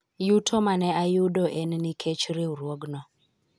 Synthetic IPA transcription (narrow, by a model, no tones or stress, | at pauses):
jutʰɔmanɛajudɔʔɛnnikʰet͡ʃɾeuɾwoɡnɔ